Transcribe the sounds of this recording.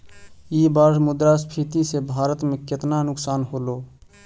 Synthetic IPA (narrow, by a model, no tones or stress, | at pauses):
ibaːsmʊd̪ɾaspʰit̪isebʱaːɾət̪mẽkɪt̪nanʊksaːnɦoloː